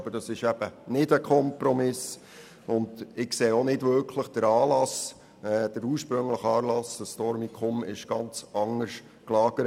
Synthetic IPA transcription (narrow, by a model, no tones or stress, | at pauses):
b̥əd̥ɑsɪʃæb̥ənɪdəkʰɔmpɾɔmɪs | ʊndɪkseːonɪdvʋʏɾkʰləχd̥əɾɑːlɑs | ɛd̥əɾuːɾʃpɾɵŋləχɑːlɑsəstɔɾmikʰɔmɪ̰ʃɡ̥ɑnt͡sɑŋəɾʃ | klɑːɡ̥əɾ